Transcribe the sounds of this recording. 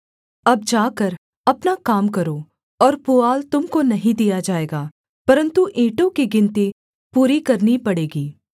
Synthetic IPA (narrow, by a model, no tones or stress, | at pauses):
ɐb̚d͡ʒaːkɐɾ | ɐpnakaːmkɐɾoː | ɔːɾpʊaːlt̪ʊmkonɐɦĩd̪ijad͡ʒaːeːɡaː | pɐɾə̃nt̪uʔẽːʈõkiɡɪ̃nt̪i | puːɾikɐɾnipɐɽeːɡiː